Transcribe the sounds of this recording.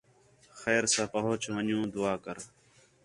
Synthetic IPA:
xɛːɾsãːpəɦot͡ʃʋəɲũːd̪ʊaːkəɾ

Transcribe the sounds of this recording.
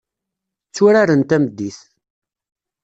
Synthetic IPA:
t͡sːuɾaɾənt̪æməd̪ːiθ

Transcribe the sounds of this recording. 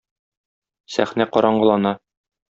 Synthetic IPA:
sæ̰χnæqɒɾɑɴɢɤ̆lˠɑnɑ

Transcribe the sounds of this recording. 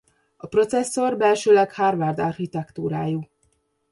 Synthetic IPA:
ɒpro̞t̪sɛsːo̞rbɛlʃøːlɛkhaːrvard̪ɒrxit̪ɛkt̪uːɾaːju

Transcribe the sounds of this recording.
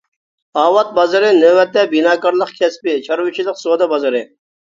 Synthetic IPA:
ɑːwɑt̪̚bɑzɨɾɨnøwɛt̪ːɛbinɑːkɑɾlˠəqkʲʰɛspɪt͡ʃʰɑɾwɨt͡ʃʰilˠəqsod̪ɑbɑzɨɾɨ

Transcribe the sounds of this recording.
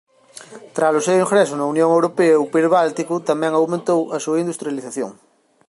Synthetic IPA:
t̪ɾaslosewiŋɡɾesonaunjõŋewɾopeaupiɾβalt̪ikut̪amjɛ̃ŋawmẽnt̪owasuɐind̪ust̪ɾjaliθaθjo̰ŋ

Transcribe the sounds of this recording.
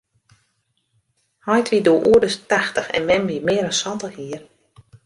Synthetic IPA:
hɔjtʋidoəʔuədəstaxtəxɛ̰nmɛmʋimɪːəɾənsɔntəhiər

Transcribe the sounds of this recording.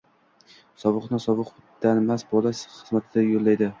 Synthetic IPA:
sɒvɨqnɪsɒvɨq | d̪̥anmasbɒlˠaʃχɨzmat̪ʰɪd̪ajolːajd̪ɪ

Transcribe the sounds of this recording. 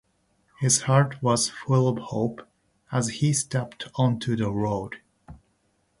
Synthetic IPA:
hɪz̥hɑɹt̚wʌz̥fʊlˠʌv̥hoʊp | əzhistɛptʰɔ̃ntʰʉðəɹoʊd̥

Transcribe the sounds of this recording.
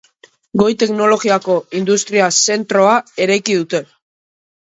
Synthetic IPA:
ɡo̞jt̪e̞kno̞lo̞ɣiako̞ind̪ust̪ɾiase̞nt̪ɾo̞ae̞ɾajkiðut̪e̞

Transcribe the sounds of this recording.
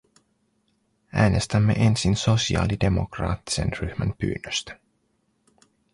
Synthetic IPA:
æːnʔe̞st̪æmːe̞̰ʔe̞nsinso̞siɑ̰ːlide̞mo̞̰krɑ̰ːt̪ːi̥se̞̰nryhmænpy̰ːnːøst̪æ̥

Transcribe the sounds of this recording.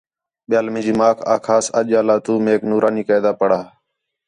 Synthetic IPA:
ɓɪjaːlmẽːd͡ʒiːmaːkʰa̰ːkʰaːsəʄaːlaːt̪uːmeːknuːɾʔaːniːkaːd̪aːpəɽaː

